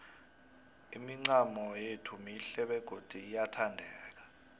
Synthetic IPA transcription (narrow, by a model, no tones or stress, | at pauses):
imiŋ͡ǀamɔjetʰumiɬɛɓɛɡ̥ʱod̥ʱiːjatʰandʱɛːk̬ḁ